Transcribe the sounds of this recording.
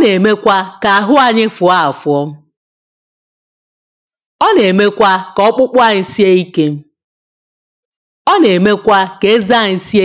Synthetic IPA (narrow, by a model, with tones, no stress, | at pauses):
ne˨me˦kʷa˦ka˨a˨ɦʊ˦a˨ɲɪ˦fʊ˨a˦a˨fʊ˨ɔ˦m̩˦ | ɔ˦ne˨me˦kʷa˦kɔ˦k͡pʊ˦k͡pʷa˦˨si˦e˦i˦ke˦m̩˦ | ɔ˦ne˨me˦kʷa˦ke˨e˦za˦˨n̩˦si˦e˦